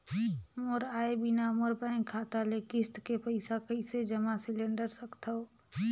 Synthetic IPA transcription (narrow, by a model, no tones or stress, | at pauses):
moɾaːebɪnamoɾbə̃kʰaːt̪alekɪst̪kepəɪsakəised͡ʒəmasɪlẽɳɖəɾsəkt̪aoː